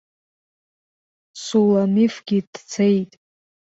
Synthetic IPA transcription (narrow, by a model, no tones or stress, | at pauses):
sulanifɡ̥ʲid̥t͡sʰejtʼ